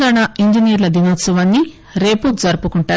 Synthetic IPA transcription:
ɡaːɳaiɲd͡ʒinijɐɾlɐd̪inoːt̪sɐʋɐnːi | ɾe̞ːpud͡zɐɾpukuɳʈaː

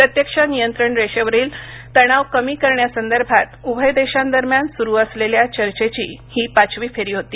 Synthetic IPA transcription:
pɾət̪jəkʂənijənt̪ɾəɳɾeɕəʋəɾiːlt̪əɽ̃aʋkəmiːkəɾɳjasənd̪əɾbʱat̪ubʱəjd̪eɕand̪əɾmjansuɾuːəsleljat͡ɕəɾt͡ɕet͡ɕḭːhiːpat͡ɕʰʋiːfeɾiːɦot̪iː

